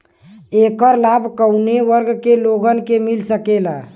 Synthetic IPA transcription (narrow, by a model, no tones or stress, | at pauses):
ekəɾlabʱkəwneʋəɾɡkeloɡənkemilsəkela